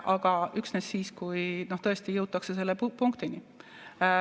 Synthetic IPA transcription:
ʔɑɡ̥ɑyksnesːiːskujno̞ht̪ɤ̞est̪ijɤwt̪ːˑɑksese̞lːepuŋkt̪ini

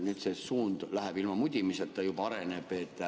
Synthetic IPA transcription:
nyːt̪sesuːnd̪̥læɦæb̥ilmɑmud̪ʲimiset̪ːɑjubɑɾeneb̥et̪ːˑ

